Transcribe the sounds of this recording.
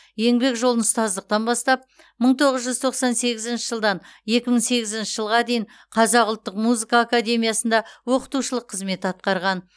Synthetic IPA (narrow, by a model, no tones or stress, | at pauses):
je̞ŋbe̞kʒolˠənʊst̪ɑzd̪əq̚t̪ɑnbɑst̪ɑp̚ | məɴt̪ʰo̞ʁəzʒʏzt̪ʰo̞qsɑnse̞ɡʲɪzɪnʃɪ̥ʒəlˠd̪ɑnje̞kʲɪməɴse̞ɡʲɪzɪnʃəʒəlˠʁɑd̪e̞jɪɴ | qʰɑzɑqʊlˠt̪ːəqmuzɨkaːkad̪ʲe̞mʲijɑsənd̪ɑwo̞qə̥t̪uʃəlˠəqʰːəzme̞t̪ɑt̪̚qɑɾʁɑn